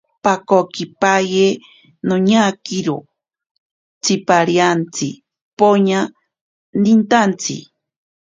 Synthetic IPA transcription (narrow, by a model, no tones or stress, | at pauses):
pakokipaje | noɲakiɾo | t͡sʰipaɾjant͡sʰḭ | poɲa | dint̪ant͡sʰḭ